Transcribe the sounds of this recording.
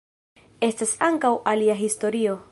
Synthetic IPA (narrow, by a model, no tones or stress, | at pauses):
e̞stasaŋkawʔaliaɦisto̞ɾio̞